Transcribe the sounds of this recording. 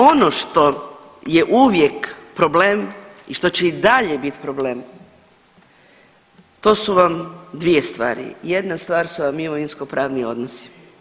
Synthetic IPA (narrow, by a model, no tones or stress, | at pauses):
o̞noʃt̪o̞ | jeʔuʋjekpɾoblemiʃt̪o̞t͡ɕeid̪aʎebit̪pɾoble̞ːm | t̪o̞ːsuʋamd̪ʋije̞st̪ʋa̰ːɾḭje̞d̪nast̪ʋaːɾsuʋamːimoinsko̞pɾaːʋnio̞̰d̪nosi̥